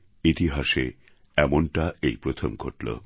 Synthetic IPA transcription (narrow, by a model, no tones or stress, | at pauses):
it̪iɦaʃe | ɛmonʈaejpɾot̪ʰomɡʱoʈlo̰